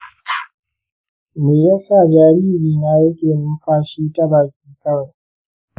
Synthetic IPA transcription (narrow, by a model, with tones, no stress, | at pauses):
meː˨jaː˦sa˦˨d͡ʒaː˨ɾiː˦ɾiː˨naː˦jɐ˦kʲʼeː˨nʊ˦mɸaː˦ʃiː˦tɐ˦ɽaː˨kʲiː˦kɐ˦ɽa˨